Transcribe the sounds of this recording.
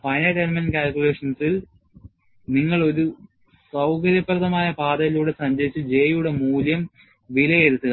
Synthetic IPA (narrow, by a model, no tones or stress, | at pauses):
pɐjnɐʈelmɐnkʲaːlkʲule̞ːʂɐnsil | niŋːɐɭo̞ɾu | sɐwkɐɾjɐpːɐrɐðɐmaːjɐpaːd̪ɐɣɐluːɽe̞sɐɲd͡ʑɐɾit͡ɕːɨd͡ʑe̞ːjuɽe̞muːljɐm | ʋilɐjeɾut̪ːuɣɐ